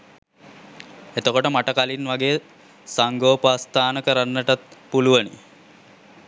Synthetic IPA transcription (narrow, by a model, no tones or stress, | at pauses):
et̪əkoʈəmaʈəkalinʋaɡeː | saŋɡoːpast̪aːnəkəɾanːəʈat̪puluʋənḭ